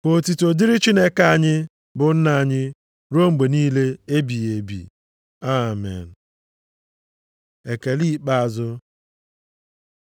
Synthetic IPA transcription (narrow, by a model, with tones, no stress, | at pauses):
kʷo˨ti˨to˨di˦ɾɪ˦t͡ʃi˦ne˦ka˦a˦ɲɪ˦ | bʊ˨n̩˦na˨a˦˨ɲɪ˦ | ɾo˦ŋ͡m̩˨ɡ͡be˨niː˦le˦e˦bi˨e˨bḭ˨ | a˦˨mḛ˨n̩˨ | e˨ke˨li˦k͡pa˦a˨zʊ˦